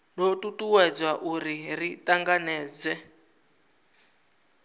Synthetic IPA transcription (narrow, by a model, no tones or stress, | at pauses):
notutuwɛd͡zwaʔuɾiritaŋɡanɛːd͡zwɛ